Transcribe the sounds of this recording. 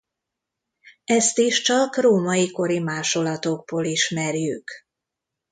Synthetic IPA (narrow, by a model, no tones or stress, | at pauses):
ɛst̪iʃt͡ʃɒkroːmɒjiko̞ɾimaːʃo̞lɒt̪o̞ɡ̚boːliʃmɛrjyk